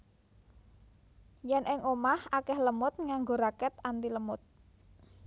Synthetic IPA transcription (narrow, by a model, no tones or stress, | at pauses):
jɛnʔɪŋʔomahakɛhləmʊt̪̚ŋaŋɡoɾakɛt̪ant̪iləmʊt̪̚